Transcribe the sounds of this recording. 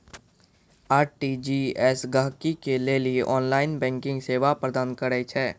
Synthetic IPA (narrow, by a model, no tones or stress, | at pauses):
aːʈiːd͡ʒiːɛsɡaɦkikelelieʔɔːnlaːɪnbɛ̃ːŋkɪ̃ŋɡseːʋapɾəd̪aːnkəɾɛt͡ʃʰɛː